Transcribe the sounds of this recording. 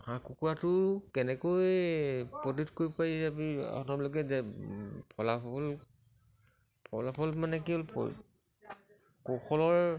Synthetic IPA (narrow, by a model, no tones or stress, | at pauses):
hãkukuɹatʊkɛnɛkoj | pɔditkoɹipajsabia̰ɔnɔbilɔkɛzɛpʰɔlapɔl | pʰɔ̰lapʰɔlmanɛkiolpʰɔ̰l | kɔxɔlɔɹ